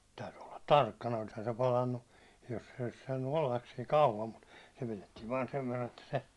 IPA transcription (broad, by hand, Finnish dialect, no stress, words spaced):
tæyty olːɑ tɑrkːɑnɑ olishɑn se pɑlɑnːu jos se olis sɑːnːu olːɑs siːŋ kɑuʋɑm mut se piletːiːʋ ʋɑːn seʋ ʋerːɑn etːæ se